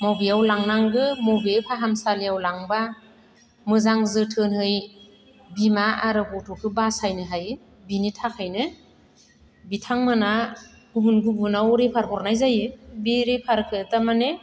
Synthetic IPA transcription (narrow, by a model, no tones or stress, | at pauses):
mɔwbijawlaŋnaŋɡɯmɔbepʰaɦamsaliawlaŋba | mɯzaŋzɯtʰɯnhɯj | bimaaɾɯbɔtʰɔkʰɯbasajnɯɦaj | binitʰakʰɯjnɯ | bitʰaŋmana | ɡ̥ubunɡubunawɾepʰaɾkʰɔɾnajzajɯbiɾepʰaɾkʰɯtamane